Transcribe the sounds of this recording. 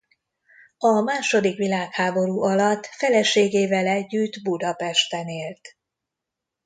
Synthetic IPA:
ɒmaːʃo̞d̪ikʋilaːkhaːbo̞ɾuːʔɒlɒt̪ːfɛlɛʃeːɡeːvɛlɛɟːyd̪bud̪ɒpɛʃt̪ɛneːlt̪

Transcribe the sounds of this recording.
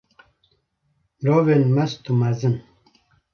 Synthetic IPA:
ɾovenmast̪umazɨn

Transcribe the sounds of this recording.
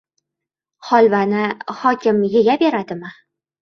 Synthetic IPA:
χɒlˠvanɪχɒkʲɪmjeɡʲabe̞ɾad̪ɪmɪ

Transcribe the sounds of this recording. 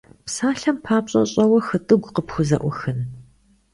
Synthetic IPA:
psaːɬɐmpʰaːpɕʼɐ̰ɕʼɐwɐxɨtʼɨɡʷqəpxʷʊzɐ̰ʔʷʊxɨn

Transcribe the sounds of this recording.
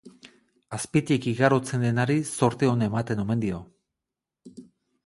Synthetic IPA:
aspit̪ikiɣaɾo̞t͡se̞nd̪e̞naɾiso̞ɾt̪eo̞ne̞mat̪e̞no̞me̞nd̪io̞

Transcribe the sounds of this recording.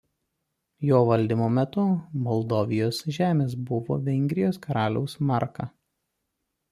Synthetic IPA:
joːʋɐlʲd̪ʲɪmoːmʲɛt̪ʊmɔlˠd̪oːʋʲɪjoːsʒʲæːmʲeːsbʊʋo̰ːʋʲɛŋʲɡʲɾʲɪjoːskɐɾɑːlʲɛʊsmɑˑɾkɑ

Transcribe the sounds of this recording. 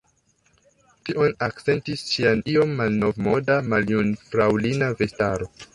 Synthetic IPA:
tiʔo̞nak̚t͡se̞ntisʃianio̞mːalno̞vmo̞damaljunfɾawlinave̞staɾo̞

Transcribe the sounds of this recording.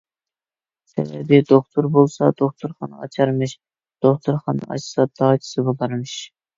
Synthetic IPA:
sɛ̰bɛ̰bɪd̪oχt̪ʰuɾbolˠsɑd̪̥oχt̪ʰuɾχɑnɨ̰ɑ̰t͡ʃʰɑɾmɨʃ | d̪̥oχt̪ʰuɾχɑnːɨ̰ɑ̰t͡ʃsɑd̪̥ɑːt͡ʃʰi̥sɨbɑbɑɾmɨʃ

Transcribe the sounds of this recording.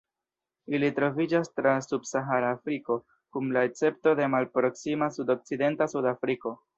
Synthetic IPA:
ilitɾo̞vid͡ʒastɾasubsaɦaɾaːfɾiko̞ | kumlaet͡se̞p̚to̞de̞malpɾo̞ksimasudo̞k̚t͡side̞ntasudafɾiko̞

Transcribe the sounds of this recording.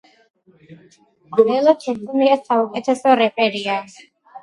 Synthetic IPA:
ɛlˠɔt̪ʰɛsniasaukʼɛt̪ʰɛsɔɾɛpʼɛɾia

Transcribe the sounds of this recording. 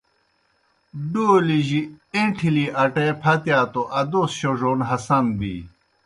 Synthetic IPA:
ɖoːliʑieʈʰiliʔɐʈepʰɐt̪jaːt̪oʔɐd̪osɕoʐonɦɐsɐnbḭ

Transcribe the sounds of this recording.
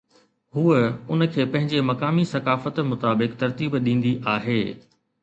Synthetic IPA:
huːəʊnə̆kʰeːpɐ̃ɦɪ̃ɲd͡ʑemɐkaːmisɐkaːfət̪mʊt̪aːbɪkt̪ɐɾt̪iːbɗĩːn̆d̪iʔaːɦeː

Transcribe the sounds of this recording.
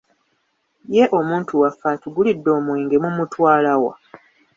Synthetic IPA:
je̞ʔo̞muːntʰuwafːatuɡulidːo̞ːmwe̞ːŋɡe̞mumutwaːlawa̰

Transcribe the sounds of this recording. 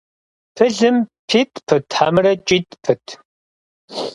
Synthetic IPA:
pʰɨɮɨmpʰiːtʰʼpʰɨtʰħamɨɾɐt͡ʃʼiːtʼpʰɨtʰ

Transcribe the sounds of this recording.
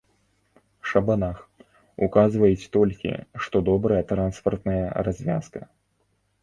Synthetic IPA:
ʂɐbanax | ukazvɐjɛt͡sʲt̪ɔlʲkʲḭʂt̪ɔd̪ɔbɾɐjɐt̪ɾanspɐrt̪nɐjɐrazʲvʲa̰skɐ

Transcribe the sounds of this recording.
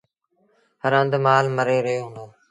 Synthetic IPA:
həɾə̃nd̪maːlməɾeːɾəɦjoːɦnoː

